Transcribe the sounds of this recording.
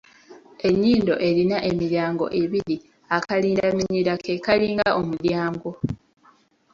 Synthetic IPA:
e̞ɲːiːndo̞ʔe̞linaʔe̞miɾjaːŋɡo̞̰ʔe̞βiɾi | akaliːndamiɲiɾakekaliːŋɡaʔomuljaːŋɡo̞

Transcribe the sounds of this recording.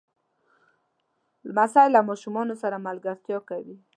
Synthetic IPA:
lmasɑjlamɑʃumɑnosaɾamalɡaɾt̪jɑkawi

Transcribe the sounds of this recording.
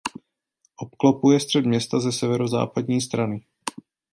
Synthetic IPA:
ʔop̚klopujɛst̪r̥ɛd̪mɲɛst̪azɛsɛvɛɾoza̰ːpadɲiːst̪ɾanɪ

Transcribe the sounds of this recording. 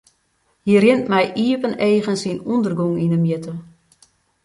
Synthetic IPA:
hiərjɪntmɛjʔiːəpəneːɣənsinundərɡuŋinəmjɪtʰə

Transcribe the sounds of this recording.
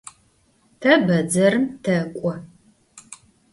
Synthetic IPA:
tʰɐbɐd͡zɐɾɨmtʰɐkʷʼɔ

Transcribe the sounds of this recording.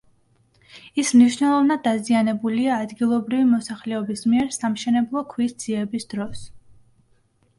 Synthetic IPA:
ismniʃnɛlˠɔvnad̪ːazianɛbuliaːd̪ɡilˠɔbɾivimɔsaχlɛɔbismiɛɾsamʃɛnɛblˠɔkʰwisd̪z̥iɛbisd̪ɾɔs

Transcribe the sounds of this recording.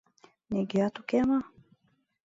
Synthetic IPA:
niɡiat̪ukɛma

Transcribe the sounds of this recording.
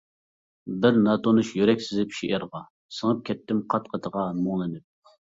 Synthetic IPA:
bɪɾnɑt̪ʰonuʃjøɾɛkʲsɪzɪpʃiʔɪɾʁɑ | səŋəp̚kʲʰɛt̪ːɪmqʰɑt̪̚qʰət̪ʰəʁɑmoŋlˠɨnɪp̚

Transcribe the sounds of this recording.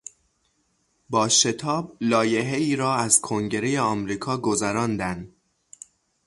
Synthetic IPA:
bɒːʃe̞t̪ʰɒːblɒːje̞ɦe̞iːɾɒːæzkʰoŋɟe̞ɾe̞jeɒːmɾiːkʰɒːɡozæɾɒːnd̪ænd̪

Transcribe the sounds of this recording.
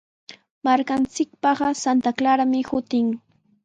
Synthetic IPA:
maɾkant͡sɪk̚pɑɢɑsant̪aklaɾamɪhʊt̪ɪŋ

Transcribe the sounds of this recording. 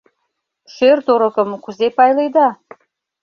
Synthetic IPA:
ʃørt̪oɾə̆kə̆mkuzepɑjlejd̪ɑ

